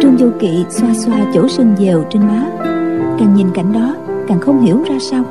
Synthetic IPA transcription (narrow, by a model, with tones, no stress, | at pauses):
t͡ɕɨ˧ŋ͡mzə˧kḭ˧˨swaː˧swaː˧t͡ɕo˧˥swi˧ŋze˨˩wt͡ɕe˧nmaː˨˦kaː˨˩nɲi˨˩nka̰˧˩jŋ̟ɗɔ˨˦kaː˨˩nxə˧wŋ͡mhi˧˩əwzaː˧saː˧w